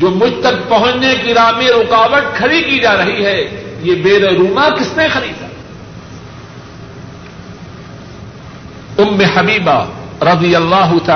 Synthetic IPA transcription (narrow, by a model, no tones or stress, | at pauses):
d͡ʒoːmʊd͡ʒʱt̪ɐk̚pɐɦʊ̃t͡ʃnekiɾaːmẽɾʊqaːʋət̪̚kʰɐɾikid͡ʒaːɾɐɦiɦɛːjebeːɾeɾuːnãkɪsnẽxɐɾiːd̪ɛ | ʊmːehɐbiːba̰ɾɐd̪ijɐlːaːɦʊt̪ɐ